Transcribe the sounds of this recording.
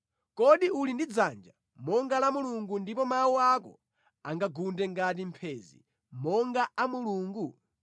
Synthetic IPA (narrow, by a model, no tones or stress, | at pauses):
kɔɗiulindid͡zand͡ʒa | mɔŋɡalamuluŋɡundipɔmawuakɔ̰ | a̰ŋɡaɡundɛŋɡat̬impʰɛːzḭ | mɔŋɡaʔamuluːŋɡu